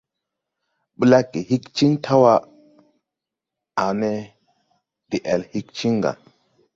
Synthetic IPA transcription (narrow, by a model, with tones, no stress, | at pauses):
ɓə˦la˦kːi˨hi˦kt͡ʃi˦ŋtʰa˦wa˦ | a˨ne˦ | d̥i˨ʔe˨lhi˦k̚t͡ʃi˦ŋɡa̰˨